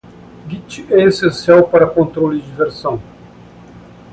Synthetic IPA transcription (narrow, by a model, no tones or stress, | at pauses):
ɡit͡ʃiɛesẽsiawpaɾɐkõnt̪ɾolid͡ʒiveɾsɐ̃w̃